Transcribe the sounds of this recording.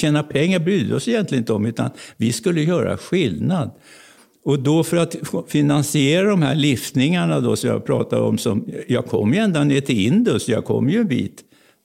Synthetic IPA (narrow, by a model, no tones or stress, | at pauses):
ɛːnapʰɛŋːaɾbɾyːd̪əɔsɛjɛnt̪lɪənɪt̪əɔmʉ̟ːt̪a̰nvɪskɵlːəjœːɾa̰ɧɪlnad̪ | ɔd̪ɔfœɾat̪fɪnansɪeːɾad̪ɔmhæɭɪft̪nɪŋaɳad̪ɔsɔmjɑ̰pʰɾɑːt̪ad̪ɔ̰msɔmjɑːɡkʰɔ̰mːjɵɛnd̪aneːʈʰɪlɪnd̪ʊsjɑ̰ːɡkʰɔ̰mːjɵnbḭːt̪